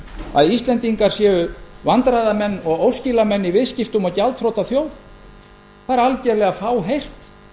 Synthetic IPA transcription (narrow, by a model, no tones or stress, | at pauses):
a̰ðist̪lɛnt̪iŋkaɾ̥sjɛːɣʏvant̪ɾajðamɛnːɔɣowscɪlamɛnːivɪðscɪft̪ʏmacalt̪fɾowt̪aθjoːwθ | θaɛɾalcɛɾlɛɣafaːwɦejr̥t̪